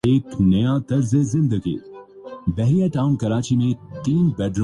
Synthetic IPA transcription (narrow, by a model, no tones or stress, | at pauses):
eːknɐjat̪ɐɾzezɪ̃nd̪əɡḭː | bɛɦɾijaʈaːʊnkɐɾaːt͡ʃimẽt̪iːnbɛːɖɾ